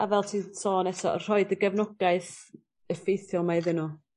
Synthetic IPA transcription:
avɛlˠtʰiːsɔːnɛsɔ̰r̥ɔɨdəɡəvnʊɡaɨθ | əfejθjɔlˠmajðɪnu

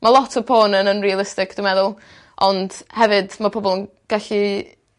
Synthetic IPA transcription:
malˠɔtʰə̥pʰoːnənənrialˠɪstɪkʰd̥ɪmɛðʊlˠ | ʔɔnd̥hɛvɨdmapʰɔbɔlˠən | ɡ̥aɬi

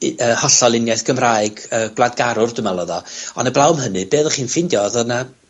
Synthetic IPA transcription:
əːhɔɬɔlˠɪnjajθɡ̥ʰəmraːɨɡəːɡlˠad̚ɡaɾʊrdʊmɛlˠɔðɔɔ̰nəblˠawmɦənɨbeːðəχiːnfɪndjɔðɔna

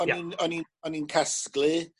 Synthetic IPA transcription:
ɔninɔninɔninkʰasklɨ

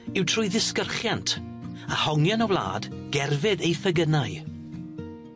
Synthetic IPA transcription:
ɪwtʰrʊjðɪskərχjantʰ | ahɔŋjɔnəwlˠa̰ːdɡ̥ɛrvɪðejfəɡənaj

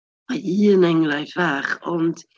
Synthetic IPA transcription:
aiːənɛŋlˠajθvaːχɔnd̥

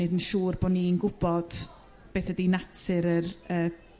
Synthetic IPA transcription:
ɨdənʃuːrbɔninɡʊbɔd̥ | b̥eːθədinatʰɨɾərəː

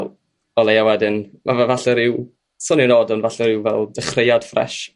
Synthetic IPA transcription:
l | ɔlˠejawɛdɨnmavavaɬəɾɪw | sɔniənɔdɔnvaɬəɾɪwvɛ̰lˠd̥ɛχrejad̥frɛ̰ʃ

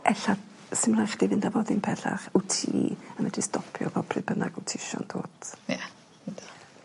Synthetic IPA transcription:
ʔɛɬa | sɪmlˠajχd̥ivɪndavɔðinpʰɛɬa̰χutʰiːəmɛdistʰɔpʰjɔ̰vɔpʰrɨbəna̰ɡutʰiʃɔ̰nd̥oːtja | da

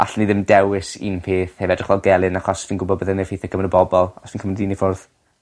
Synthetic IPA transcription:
ʔa̰ɬniðɪmdɛwɪsḭnpʰeːθhevɛdrɪχvɛlˠɡɛlˠɨnaχɔsfiːnɡʊbɔbəðɛnefejθɛɡ̥əmnɾəbɔbɔlˠɔsv̥iːnkʰəmndinifʊrð

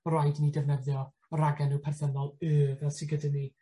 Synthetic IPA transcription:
ɾajdnidɛvnɛvðjɔ | ɾaɡɛnɨwpʰɛrθənɔlˠɨːvɛlsiɡədəni

